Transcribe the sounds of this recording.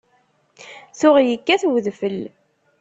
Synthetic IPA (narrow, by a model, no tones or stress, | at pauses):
θʊʁjəkːæθwðfəl